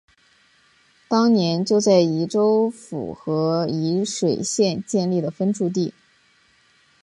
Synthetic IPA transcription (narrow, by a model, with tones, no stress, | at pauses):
t̪ɑ˥ŋnjɛ˧˥nt͡ɕjo˥˧ʊt͡sa˥˩ɪi˧˥ʈ͡ʂo˥ʊfṵ˨˩xɤ˧˥i˧˥ʂwe˨˩ɪɕjɛ˥˧nt͡ɕjɛ˥˧nli˥˩d̪ə˩fə˥nʈ͡ʂʰu˥˧t̪̬i˥˩